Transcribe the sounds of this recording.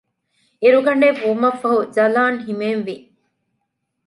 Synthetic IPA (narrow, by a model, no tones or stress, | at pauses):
eɾuɡɐɳɖeʋuːmɐfːɐɦuzɐlaːŋɦimeːnʋi